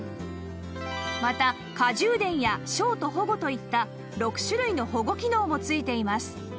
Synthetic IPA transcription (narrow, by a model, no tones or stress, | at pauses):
mat̪a | kaʑɨːd̪ẽ̞ɰ̃jaɕo̞ːt̪o̞ɦo̞ɡo̞t̪o̞it̪ːa | ɾo̞kɯ̟̥ɕɨɾɯ̟ino̞ho̞ɡo̞kʲino̞ːmo̞t͡sɨit̪e̞imasɨ̥